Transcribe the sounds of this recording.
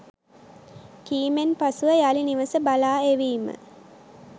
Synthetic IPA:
kiːmenpasuʋəjaliniʋəsəbalaːeʋiːmə̰

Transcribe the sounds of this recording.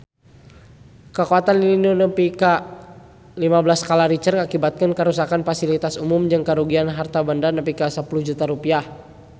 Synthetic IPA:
kəkuat̪anliinonəmpika | limablaskalaɾit͡ʃərŋakibat̪̚kənkəɾusakanfasilit̪asumumd͡ʒɨŋkəɾuɡianɦart̪abəndarnəmpikasəpuluhd͡ʒut̪aɾupiah

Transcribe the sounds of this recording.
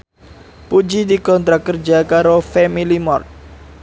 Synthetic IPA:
pud͡ʒidikɔnt̪ɾakərd͡ʒakaɾofɛmilimɔrt̪̚

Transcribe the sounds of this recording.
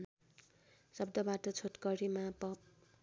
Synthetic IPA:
sʌbd̪ʌbaʈʌt͡sʰoʈkʌɾimapʌp̚

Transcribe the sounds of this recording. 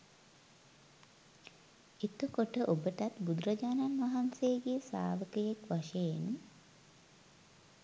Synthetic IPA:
et̪əkoʈəʔobəʈat̪bud̪ɾɐd͡ʒaːnanʋaɦanseːɡesa̰ːʋəkəjekʋaʃejen

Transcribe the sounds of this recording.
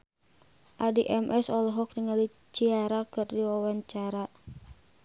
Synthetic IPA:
ʔadiʔɛmʔɛsɔlɦɔk̚niŋali | t͡ʃiaɾakɨrdiwawaɲt͡ʃaɾa

